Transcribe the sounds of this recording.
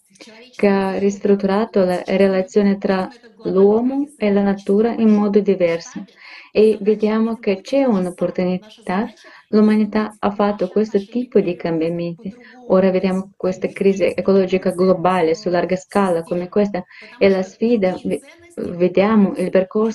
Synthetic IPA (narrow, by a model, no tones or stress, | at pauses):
kearist̪ɾut̪ːuɾaːt̪olaɾelat̪sːjoːnet̪ɾalwɔmoelanat̪uːɾaʔinmɔd̪od̪ivɛɾsaeved̪jaːmok̟et͡ʃɛunopːoɾt̪unit̪a | lumanit̪aafat̪ːokwest̪ot̪ipod̪ikambjament̪i | oːɾaved̪jamokwest̪akɾiːziʔekolɔd͡ʒikaɡlobalesularɡaskalakomekwest̪aelasfiːd̪a | ved̪jamoʔilpeɾkors